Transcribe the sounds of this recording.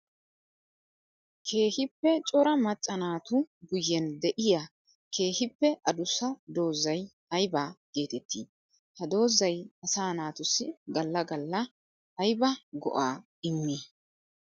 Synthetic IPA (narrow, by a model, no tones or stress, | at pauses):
kʰe̞ːhɪpːɛt͡ʃʼɔɾɐmɐt͡ʃʼːɐnaːt̪ʊɡʊjːɛnd̪ɛʔɪja | kʰe̞ːhɪpːɛʔɐd̪ʊsːɐd̪o̞ːzːɐj | ɐjbaːɡ̥e̞ːt̪ɛt̪ːḭː | hɐd̪o̞ːzːɐjɐsaːnaːt̪ʊsːɪɡɐlːɐɡɐlːɐː | jbɐɡɔ̰ʔaː | ɪmːi